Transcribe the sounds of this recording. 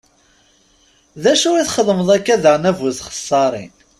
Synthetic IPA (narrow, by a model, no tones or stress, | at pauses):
ðæʃʊɾiθχəðˤməðˤækːæðəʁnævuθχə̥sˤːɑɾˤḭn